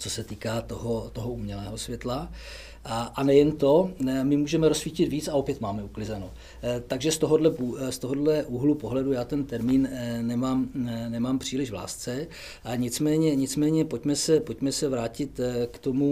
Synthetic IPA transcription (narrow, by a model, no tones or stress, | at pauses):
t͡so̞sɛt̪iːkaːt̪oɦot̪o̞ɦo̞ʔuːmɲɛlɛːɦo̞svjɛt̪la | ʔanɛjɛnt̪o̞mɪmuːʒɛmɛɾo̞sfiːcɪt̪viːt͡sao̞pjɛt̪maːmɛuklɪzɛno | t̪aɡʒɛst̪o̞ɦodlɛpust̪oɦo̞dlɛʔuɦlupo̞ɦlɛdujaːt̪ɛnt̪ɛɾmiːnnɛmaːmnɛmaːmpr̝̥iːlɪʒvla̰ːst͡sɛ | aɲɪt͡smɛːɲɛɲɪt͡smɛːɲɛpocmɛsɛpo̞cmɛsɛvɾaːcɪt̪kt̪o̞mu